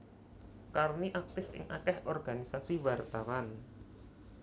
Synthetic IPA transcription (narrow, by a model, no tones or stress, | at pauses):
karniʔak̚t̪ɪfɪ̰ŋʔakɛhʔɔrɡ̥anisasiwart̪awan